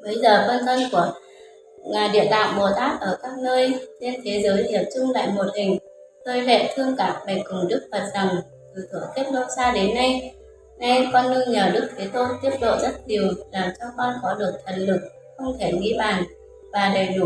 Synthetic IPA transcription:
ɓə˨˦jzəː˨˩fə˧nt̪ʰə˧nku˧˩ə | aː˨˩ɗḭ˧˨ənt̪a̰ː˧˨mɓo˨˩t̪aː˦˥k̚ʔəː˧˩kaː˦˥k̚nəː˧jt͡ɕe˧nt̪ʰe˨˦zəː˨˦jɲi˧˩əp̚t͡ɕʊ˧ŋ͡mla̰ː˧˨jmo˨˩t̚hï˨˩ŋ̟ | t̪əː˧jlḛ˧˨t̪ʰɨ˧əŋkaː˨˥p̚ɓe˨˩kʊ˨˩ŋ͡mɗɨ˦˥k̚fə˨˩t̚z̥a˨˩ŋ | t̪ɨ˨˩t̪ʰɨ˧˩əŋt̪i˦˥əp̚lo̰˧˥n̚saː˧ɗe˨˦nːa˧j | na˧jkɔ˧nːɨ˧əɲəː˨˩ɗɨ˦˥k̚fʰi˨˦t̪o˧t̪i˦˥əp̚ɗo̰˧˨zə˦˥t̚ɲi˨˩əwlaː˨˩mt͡ɕɔ˧kɔ˧nkɔ˨˦ɗɨ˨˩ək̚t̪ʰə˨˩n̚lɨ˨˩k̚ | xə˧wŋ͡mt̪ʰe˧˩ŋḭ˧˥ɓaː˧˨˩n | vaː˨˩ɗe˨˩nu˧˩

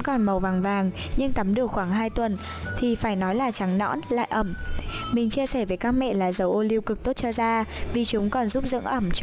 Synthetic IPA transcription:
kɔ˨˩nmə˨˩wvaː˨˩ŋvaː˨˩ŋ | ɲɨ˧ŋt̪ə˨˦mɗɨ˨˩ək̚xwaː˧˩ŋɦaː˧jt̪wə˨˩n | t̪ʰi˨˩faː˧˩jnɔ˨˦jlaː˨˩t͡ɕa˨˦ŋnɔ̰˧˥nla̰ː˧˨jʔə˧˩mmï˨˩ŋ̟t͡ɕi˧əsɛ˧˩veː˨˦jkaː˦˥k̚mɛ̰˧˨laː˨˩zə˨˦wʔo˧li˧wkɨ˨˩k̚t̪o˦˥t̚t͡ɕɔ˧zaː˧vi˨˩t͡ɕʊ˨˦ŋ͡mkɔ˨˩nzu˦˥p̚zɨ̰˧˥ŋʔə˧˩mt͡ɕ

